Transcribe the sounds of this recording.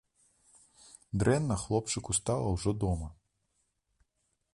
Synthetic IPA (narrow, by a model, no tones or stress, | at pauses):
d̪ɾɛnːɐxlˠɔpt͡ʂɨkust̪alˠɐwʐɔd̪ɔmɐ